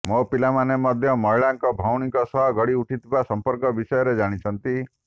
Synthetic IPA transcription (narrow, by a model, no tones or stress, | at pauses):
mopilamanemɔd̪ʱjɔmɔiɭaŋkɔbʱawɽ̃ikɔsɔɦɔɡɔɽiuʈʰit̪ʰibasɔmpɔɾkɔbisɔjɔɾed͡ʒaɽ̃it͡ʃʰɔnt̪i